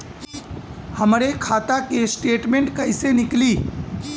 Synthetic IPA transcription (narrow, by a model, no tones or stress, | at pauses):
hɐmɾekʰaːt̪akesʈeːʈmẽɳʈkɐɪsenɪkliː